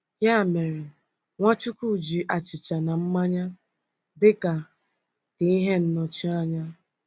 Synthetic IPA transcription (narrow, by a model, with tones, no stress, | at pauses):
ja˦˨me˨ɾe˨ | ŋʷa˦t͡ʃu˦ku˦˨d͡ʒi˨ʔa˨t͡ʃɪ˨t͡ʃa˨na˨m̩˦ma˦ɲa˦ | dɪ˦ka˨ | ke˨i˦ɦe˦n̩˦nɔ˨t͡ʃi˦a˦ɲa˦